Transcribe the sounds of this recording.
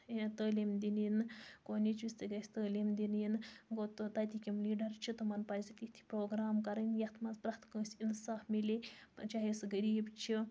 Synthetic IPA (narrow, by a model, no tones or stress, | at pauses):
t̪əːliːmd̪ininkonit͡ʃist̪iɡɐsʲt̪əːliːmd̪ʲininɡot̪ɨt̪at̪ikʲimliːɖɐɾt͡ʃʰit̪ɨmɐnpaːzʲit̪ʲit̪ʰi̥pɾoːɡɾaːmkɐɾɐnʲjɐt̪ʰmɐnzpɾɐht̪ʰkə̃ːsʲinsaːfmilʲet͡ʃaɦisɡɐɾiːbt͡ʃʰi